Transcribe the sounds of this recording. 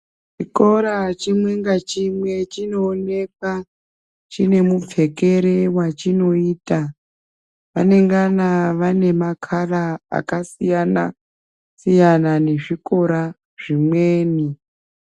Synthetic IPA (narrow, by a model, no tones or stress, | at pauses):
t͡ʃiko̞ɾat͡ʃimwe̞ŋɡat͡ʃimwe̞t͡ʃino̞ːne̞ka | t͡ʃine̞mub͡vʱe̞ke̞ɾe̞wat͡ʃino̞iːta | ʋane̞ŋɡanaʋane̞makʰaraa̰kasijana̰ | sijanane̞ʐiko̞ɾa | ʐ̥imweːni